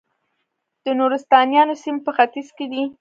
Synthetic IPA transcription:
d̪̥ənuɾɪst̪ɑnjɑnosimpəxat̪izked̪i

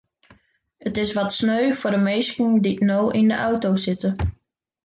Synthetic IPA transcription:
ətɪsʋɔtsnøɥfʊrdəmejskənditnowʔɪndəʔawtowsɪtə

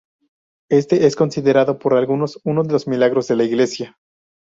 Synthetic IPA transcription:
e̞st̪e̞ʔesko̞nsiðe̞ɾaðo̞po̞ɾalɣuno̞sunozðe̞lozmilaɣɾo̞zðe̞laiɣle̞sja

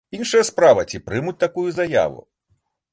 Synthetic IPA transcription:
inʂɐjɐspɾavɐt͡sʲipɾɨmut͡sʲt̪akujuzaja̰vṵ

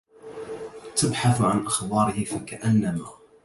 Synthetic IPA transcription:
t̪abħaθʕanʔaxbɑːɾɪhɪfakaʔanːama

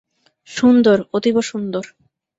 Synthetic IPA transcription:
ʃund̪oɾot̪iboʃund̪oɾ

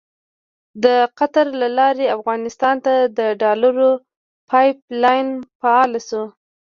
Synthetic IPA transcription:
d̪əqat̪aɾlalɑɾeafɣɑnɪst̪ɑnt̪ad̪əɖɑlaɾo | pʰɑjplɑjnfaɑlasu

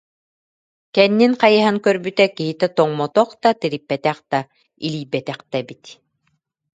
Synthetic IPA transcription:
kɛnːinqajɯɦaŋkœɾbyt̪ɛkiɦit̪ɛt̪ɔŋmɔt̪ɔqd̪at̪iɾipːɛt̪ɛqd̪a | ḭliːbɛt̪ɛqd̪ɛbit̪

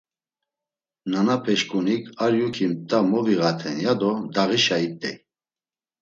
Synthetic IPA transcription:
nanapʰɛʃkʼunikʰaɾjukʰimt̪ʼamɔviɣat̪ʰɛnjad̪ɔd̪aʁiʃait̪ʼːɛ

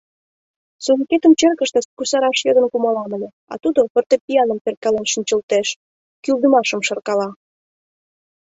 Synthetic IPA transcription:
sunket̪əmt͡ɕerkə̆ʃt̪ə̆skusɑɾɑʃjɤd̪ə̆nkumɑlɑmĕlʲe | ɑ̰t̪ud̪opərt̪epʲiɑnəmperkɑlenʃənʲt͡ɕə̆lt̪eʃ | kyld̪əmɑʃə̆mʃɤrkɑlɑ

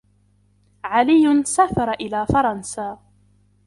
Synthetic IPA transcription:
ʕalɪjːʊnsaːfɑɾˤɑʔɪlaːfɑɾˤɑnsaː

